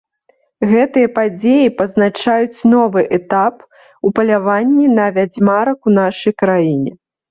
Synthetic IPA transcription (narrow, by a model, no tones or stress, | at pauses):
ɣɛt̪ɨjɐpad͡zʲejipɐznat͡ʂajut͡sʲnɔvɨʔɛt̪ap | upɐlʲavanʲːinɐvʲad͡zʲmaɾɐkunaʂɐjkɾajinʲɛ